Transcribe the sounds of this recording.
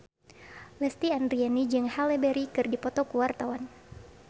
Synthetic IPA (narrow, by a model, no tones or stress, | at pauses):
lɛst̪iandɾianid͡ʒɨŋhalɛbɛɾikɨrdipɔt̪ɔkuwart̪awan